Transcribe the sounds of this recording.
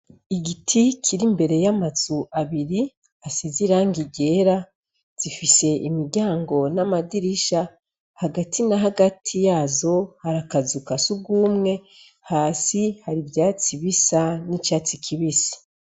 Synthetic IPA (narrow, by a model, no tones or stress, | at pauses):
iɡitʰikʰiɾimbe̞ɾe̞jamazuʔaβiɾi | asiziɾaŋɡiɟe̞ːɾa | z̥ifise̞ʔimiɾɟaːŋɡo̞namadiɾiʃa | haɡatʰinaɦaɡatʰijaːzo̞haɾakazukasuɡuːmŋe̞ | haːsihaɾibjaːt͡siβisanit͡ʃaːt͡sikʰiβisḁ